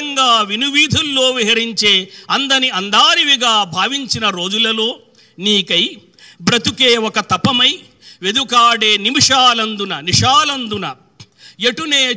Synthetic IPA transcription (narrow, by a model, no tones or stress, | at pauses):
ɐŋɡaːʋinuʋiːd̪ʱulːo̞ːʋiɦɐɾiɲt͡ʃe̞ːɐnd̪ɐniɐnd̪aːɾiʋiɡaːbʱaːʋiɲt͡ʃinɐɾo̞ːd͡ʒulɐlo̞ː | niːkɐj | bɾɐt̪ukeːwɔkɐt̪ɐpɐmɐj | ʋe̞d̪ukaːɽeːnimiʂaːlɐnd̪unɐniʂaːlɐnd̪unɐ | jeʈuneː